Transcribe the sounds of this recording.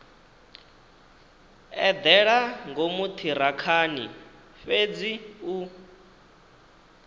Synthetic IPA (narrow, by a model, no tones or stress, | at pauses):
ɛd̪ɛɺaŋɡomut̪ʰiɾakʰaːni | fed͡ziu